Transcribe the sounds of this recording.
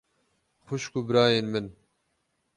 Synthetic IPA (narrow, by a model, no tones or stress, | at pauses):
xʊʃkubɾaːjeːnmɨn